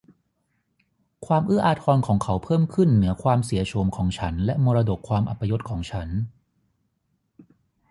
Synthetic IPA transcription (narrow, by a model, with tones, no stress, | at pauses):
kʰwaː˧mʔɯː˥˩ʔaː˧t̪ʰɔː˧nkʰɔː˩˦ŋkʰa˩˦˥wpʰɤː˥˩mkʰɯ˥˩nːɯ˩˦ɐkʰwaː˧msi˨˩˦ɐt͡ɕʰo˧mkʰɔː˩˦ŋt͡ɕʰa˦˥nlɛ˦˥ʔmoː˧ɾa˧do˨˩kʰːwaː˧mʔa̰˨˩pːa˧jo˦˥t̪̚kʰɔː˩˦ŋt͡ɕʰa˦˥n